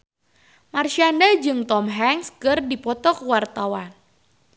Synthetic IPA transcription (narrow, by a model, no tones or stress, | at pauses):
marʃiandad͡ʒɨŋt̪ɔmɦɛŋskɨrdipɔt̪ɔkwart̪awan